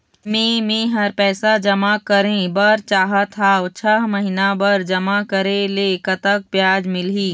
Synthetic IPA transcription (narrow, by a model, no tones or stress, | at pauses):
mẽːmẽːɦɐɾpɛːsad͡ʒɐmakɐɾẽbɐɾt͡ʃaːɦat̪ʰaːwt͡ʃʰɐɦmɐɦinabɐɾd͡ʒɐmakɐɾẽlekɐt̪ək̚pjaːd͡ʒmɪlɦiː